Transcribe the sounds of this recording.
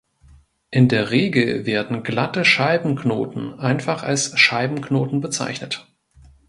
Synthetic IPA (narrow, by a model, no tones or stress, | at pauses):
ʔɪndeːɐʁeːɡl̩veːɐdn̩ɡlatəʃaɪbm̩kno̰ːtn̩ʔaɪnfaχa̰lsʃaɪbm̩kʰnoːtn̩bət͡sa̰ɪçnət